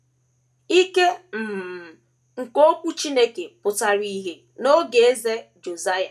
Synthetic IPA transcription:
i˦ke˦m̩˨m̩˨ | ŋ̩˨ko˦kʷu˦t͡ʃi˦ne˦ke˨pʊ˨ta˦ɾi˦ɦe˦ | no˦ɡe˨e˦ze˦d͡ʒo˨za˦ja˨

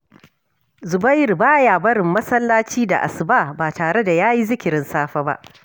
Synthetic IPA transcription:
zʊ˨ba˦jɪ˨rbaː˦jaː˨bɐ˦ɽɪ˨mːɐ˦sɐ˦lːaː˦t͡ʃiː˦da̰˨ʔa̰˨sɪ˨baː˦˨baː˨taː˨ɽe˦da˨jaː˦ji˦zɪ˦kʲɪ˨ɾɪ˦nsaː˦ɸa˦ba̰˦ʔ

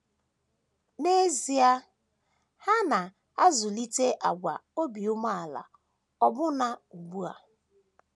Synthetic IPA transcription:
ne˦zi˨a˦ | ha˦na˨ | a˦zʊ˨li˦te˦ʔa̰˨ɡʷa̰˨o˦bi˨ʊ˦ma˦a˨la̰˨ | ɔ˦bʊ˦na˦u˨ɡ͡bu˦a˨

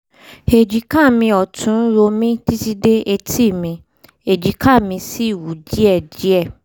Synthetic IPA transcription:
e˨d͡ʒi˨kã˦˨mĩ˧ɔ˨tũ˨˦n˦ɾo˧mĩ˦ti˦ti˦de˦ʔe˧ti˦˨mĩ˧ | e˨d͡ʒi˨kʰa˦˨mĩ˧si˦˨wu˨˦d͡ʒi˦ɛ˦˨d͡ʒi˦ɛ˦˨

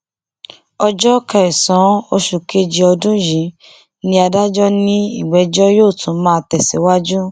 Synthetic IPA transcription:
ɔ˧d͡ʒɔ˦ka˨ɛ˨sã˨˦o˧ʃu˨ke˦d͡ʒi˧ɔ˧dũ˦jĩ˨˦ | nĩ˧a˧da˦d͡ʒɔ˦nĩ˦ḭ˦˨ɡ͡bɛ˨˦d͡ʒɔ˦joː˦˨tũ˨˦mãː˦˧tɛ˨sɛ̰˨˦wa˦d͡ʒu˦

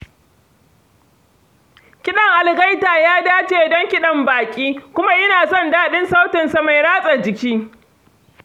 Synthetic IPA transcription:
kʲɪ˦ɗɐ˨ŋʔa˨lɡa˦jtaː˨jaː˦daː˦t͡ʃeː˨dɔ˦ŋkʲɪ˦ɗɐ˨mbaː˨kʲʼiː˦kʷʊ˦ma˦ʔɪ˦naː˨sɔ˦ndaː˦ɗɪ˦nsa˦wtɪ˨nsa˨ma˨jɽaː˦sʼa˨d͡ʒɪ˨kʲiː˦

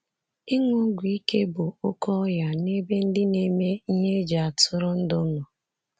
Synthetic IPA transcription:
i˦ŋu˦ɡʷi˨i˦ke˦bʊ˨ʊ˦kʰɔ˦ja˨ne˦be˦n̩˦dɪ˦ne˦me˦i˦ɲe˦d͡ʒa˨a˨tʊ˦ɾʊ˦n̩˦dʊ˦nɔ˨

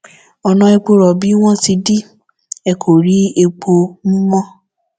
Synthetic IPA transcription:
ɔ˧nã˧ɛ˧k͡po˧ɾɔ˨bi˨˦w̃ɔ̃˦ti˧di˦ | ɛ˨kʰo˨ɾi˨˦e˧k͡po˧mũ˦mɔ̃˦

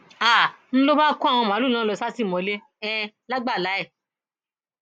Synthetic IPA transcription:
a˦˨ | n̩˦lo˦ba˦ku˦a˦˨w̃ɔ̃˧mã˨˦lu˦˨lã˦lɔ˧˨sa˦si˦˨mɔ̃˧˦le˦ | ɛ˧˦ | la˦ɡ͡ba˦˨la˨˦ɛ˦˨

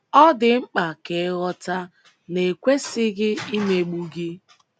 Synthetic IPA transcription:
ɔ˦dɪ˨ŋ͡m̩˦k͡pa˨ke˨˦ɣɔ˦ta˦ | ne˨kʷe˦sɪ˦ɣɪ˦i˦me˨ɡ͡bu˦ɡɪ˦

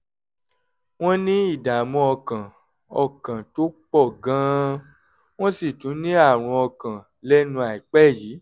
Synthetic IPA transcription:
w̃ɔ̃˦nĩ˦i˦˨da˨mɔ̃˧ɔ˧kã˨ | ɔ˨kã˨to˦k͡pɔ˦˨ɡã˦ | w̃ɔ̃˦si˦˨tũ˨˦nĩ˦a˦˨ɾ̃ũ˧ɔ˧kã˨ | lɛ˦nũ˧a˨i˨k͡pɛ˦˨ji˨˦

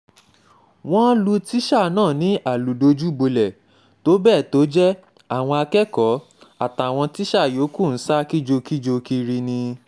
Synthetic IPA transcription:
w̃ɔ̃˦lu˧ti˦ʃa˦˨nãː˦˨nĩ˨˦ʔa˦˨lu˨do˧d͡ʒu˦bo˧lɛ˨ | to˦bɛː˦˨to˨˦d͡ʒɛ˦ | a˦˨w̃ɔ̃˧a˧kɛ˦kɔ˨˦ | a˦˨ta˨w̃ɔ̃˧ti˦ʃa˦˨jo˨˦ku˦˨n̩˨˦sa˦ki˦d͡ʒo˧ki˦d͡ʒo˧ki˧ɾi˧nĩ˧

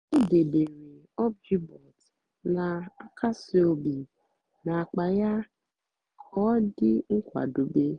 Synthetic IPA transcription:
o˦de˨be˨ɾe˨ | ɔ˦b̚d͡ʒi˦bɔ˨t | na˨a˦kʰa˦si˨o˨bi˨ | na˨a˨k͡pa˨ja˦ | kʰɔ˦dɪ˦ŋ̩˦kʷa̰˨do˨be˦

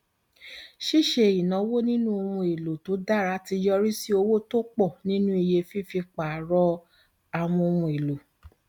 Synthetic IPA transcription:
ʃi˦˨ʃe˨i˨nã˨˦wo˦nĩ˦nũ˦o˧mũ˧e˨lo˨to˨˦da˦˨ɾa˧˦ti˧jɔ˧ɾi˦si˦o˧wo˦to˦k͡pɔ˦˨nĩ˦nũ˦i˨je˧fi˦fi˧k͡pa˨˦ɾɔ˧˦ | a˧w̃ɔ̃˧o˧mũ˧e˨lo˨

